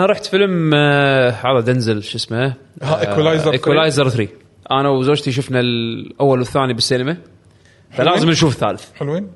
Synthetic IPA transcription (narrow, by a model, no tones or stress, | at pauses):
ʔanaɾˤɑːħt̪fɪlm | ħaːðˤad̪anzɪlʃɪsmaaʔwlajzɾɪkwlaːjzɑɾˤθɾiː | ʔanawzoːd͡ʒt̪iʃ̬ʊfnalʔawːalwɪθːaːnibɪsːiːnɪma | falaːzɪmnʃuːfɪθːa̰ːlɪθħɪlwiːn